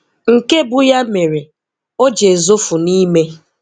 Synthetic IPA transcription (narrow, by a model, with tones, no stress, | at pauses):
ŋ̩˨ke˦bʊ˨ja˦me˨ɾe˨ | o˦d͡ʒe˨zo˦fʊ˨ni˦me˦